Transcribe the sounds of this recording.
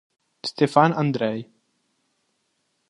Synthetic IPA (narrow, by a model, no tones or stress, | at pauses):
st̪efanand̪ɾej